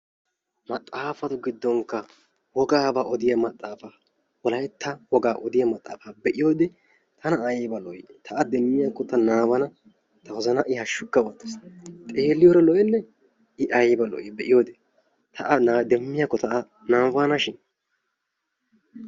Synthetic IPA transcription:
mɐt̪ʼːaːfɐt̪ʊɡɪd̪ːɔŋkːɐ | wɔɡaːbaːʔɔd̪ɪjɐmɐt̪ʼːaːfɐ | wɔlɐjɛt̪ːɐwɔɡaːʔɔd̪ɪjɐmɐt̪ʼːa̰ːfɐbɛʔɪjoːd̪ɛ | t̪ʰɐnɐːjbɐlɔ̰jt̪ʰɐʔɐd̪ɛmːɪjaːkːɔt̪ɐnaːbɐnɐ | t̪ɐwɔzɐnɐʔɪhɐʃːʊkːɐwɔt̪ːɛst̪ʼe̞ːlːɪjoɾɛlɔjɛnːɛ | ɪʔɐjbɐlɔ̰jɪbɛʔɪjoːd̪ɛ | t̪ʰɐʔɐnad̪ɛmːɪjakːɔt̪ɐʔɐ | naːfaːnɐʃɪn

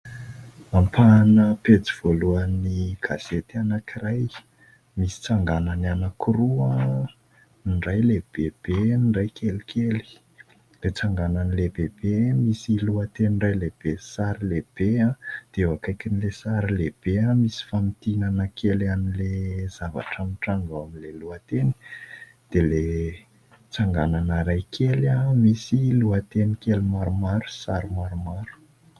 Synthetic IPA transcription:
ampʰanəpet͡siv̥oluaniɡ̥az̥et̪ianakiraj | misi̥t͡saŋɡananianakʰurua | iɳrajleb̥eb̥eniɳɖ͡ʐajkʰelikʰeli̥ | let͡saŋɡananileb̥eb̥emisiluət̪eɳɖ͡ʐajleb̥esaɾileb̥eãd̪̥ewakajkinilesaɾileb̥eamisi̥famit̪inanəkʰelanilez̥ava̰ʈ͡ʂamiʈ͡ʂaŋɡaamileluat̪eni̥ | d̪̥ele | t͡saŋɡananəɾajkʰelamisiluat̪enikelimaɾumaɾu̥saɾimaɾumaɾu̥

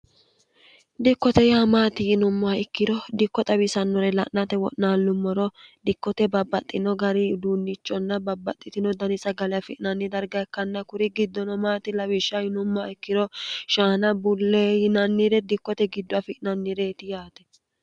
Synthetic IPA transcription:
d̪ɪkːɔt̪ɛjaːmaːt̪ɪjɪnʊmːʊaɪkːɪdɔd̪ɪkːɔt̪ʼɐbɪsɐnːɔɾɛlɐ̰ʔnɐt̪ɛwɔ̰ʔnaːlːʊmːɔɾɔd̪ɪkːɔt̪ɛbɐbːɐt̪ʼːɪnɔɡɐɾɪd̪uːnːɪt͡ʃʼːɔnːɐbɐbːɐt̪ʼːɪt̪ɪnɔd̪ɐnɪsɐɡɐlɛafɪʔɪnɐnːɪd̪ɐɾɡɐɛkːɐnːɐkʊɾɪɡɪd̪ːɔnɔmaːt̪ɪlɐwɪʃːɐjɪnʊmːaɪkːɪdɔʃaːnɐbʊlːejɪnɐnːiɾɛd̪ɪkːɔt̪ɛɡɪd̪ːʊɐfɪʔɪnɐnːiɾeːt̪ɪjaːt̪ɛ̥

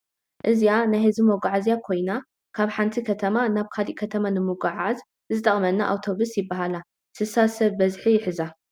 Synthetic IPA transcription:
ʔɨzijanajhɐzimoɡaʕazjakʰo̞jna | kʰaβħant̪ʰikʰɐt̪ʰɐmanaβkʰaliʔkʰɐt̪ʰɐmanɨmoɡaʕaz | zɨt̪ʼɐχʼmɐnːaʔa̰wt̪ʰo̞βusjɪbːaɦala | sɨsasɐβːɐzħijɪħɨza

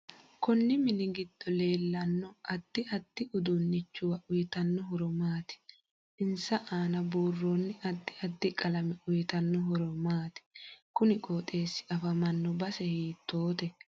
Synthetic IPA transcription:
kɔnːɪmɪnɪɡɪd̪̥ːɔleːlːɐnːɔʔɐd̪̥ːɪʔɐd̪̥ːɪʔʊd̪ʊnːɪt͡ʃːʊwɐʔʊjɪt̪ɐnːɔɦɔɾɔmaːt̪ɪ̥ | ɪnsɐʔaːnɐbuːrːoːnːɪʔɐd̪ːɪɐd̪ːɪkʼɐlɐmɛʔʊjt̪ɐnːɔɦɔɾɔmaːt̪ɪ̥kʊnɪkʼoːt̪ʼe̞ːsːɪ̥ɐfɐmɐnːɔbɐsɛhiːt̪ːoːt̪ɛ

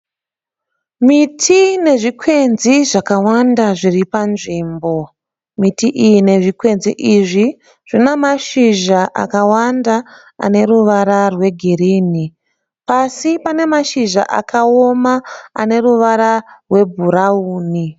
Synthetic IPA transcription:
mitʰine̞ʐikʰwe̞nziʐakawandaʐiripanʐiːmbo̞ | mitiʔijine̞ʐikwe̞nzḭʔiʐi | ʐ̥inemaʃiʒaʔa̰kawanda̰ː | ne̞ɾuʋaɾarwe̞ɡʱiriːni | pasipane̞maʃiʒa̰ʔa̰kʰaomaa̰ne̞ruʋaɾarwe̞bʱuɾauːni

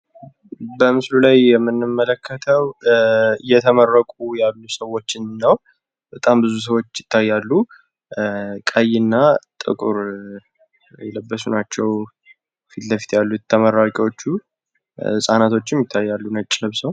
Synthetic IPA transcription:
bəmɨslulajjɛmːɨnːɨmːələkʰːət̪ʰəw | ɨjːɛt̪ʰəmərːəkʼujalːusəwot͡ʃːɪnːəw | bət̪ʼambɨzus̬əwo̞t͡ʃːjɪt̪ʰːajːalːu | kʼajːɪnːat̪ʼɨ̰kʼuɾ | jɛləbːəsunat͡ʃːɛw | fit̪ləfi̥t̪jalːut̪ʰːəməɾːakʼiwot͡ʃːu | sʼanat̪ʰo̞t͡ʃːɪmjɪt̪ʰːajːalːunət͡ʃʼːlɨβsəw

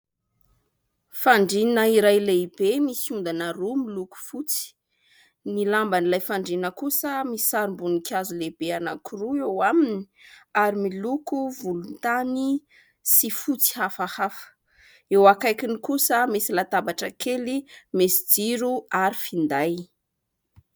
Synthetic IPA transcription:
faɳɖ͡ʐinəiɾajleibemisiund̪anaɾumiluku̥fut͡si̥ | nilambanilajfaɳɖ͡ʐinəkusəmisi̥saɾimbunikʰʲazuleb̥eanakuruewamini̥ | aɾimilukuvulunt̪ani | sifut͡si̥hafahafə̥ | ewakajkinikusəmisilat̪abaʈ͡ʂəkʰelimesid͡ziɾuaɾifind̪aj

